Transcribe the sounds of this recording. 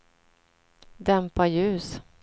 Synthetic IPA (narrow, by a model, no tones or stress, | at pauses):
d̪ɛmpajʉ̟ːs